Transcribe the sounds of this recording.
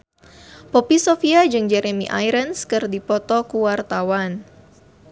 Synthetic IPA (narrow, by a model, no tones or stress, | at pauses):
pɔpisofiad͡ʒɨŋd͡ʒɛɾemḭʔa̰jɾənskɨrdipɔt̪ɔkuwart̪awan